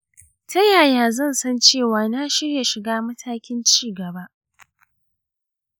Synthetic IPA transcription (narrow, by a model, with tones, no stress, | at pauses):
tʰɐ˦jaː˨jaː˦zɐ˦˨nsɐ˦nt͡ʃeː˦˨waː˨naː˦ʃɪ˦rja˨ʃɪ˨ɡaː˦mɐ˦tʰaː˦kʲɪ˦nt͡ʃiː˦˨ɡɐ˨ba˦ʔ